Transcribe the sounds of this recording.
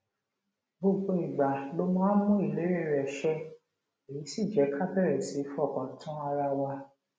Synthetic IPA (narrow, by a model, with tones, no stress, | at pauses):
bo˧ɡ͡bo˧i˨ɡ͡ba˨lo˦˧mãː˦mũ˦i˦˨le˨˦ɾe˦˨ɾɛ˨ʃɛ˧˦ | e˨ji˨˦si˦˨d͡ʒɛ˨˦kʰa˦bɛ˦˨ɾɛ˨si˨˦fɔ˦˨kɔ̃˨tʰɔ̃˦a˧ɾa˧wa˧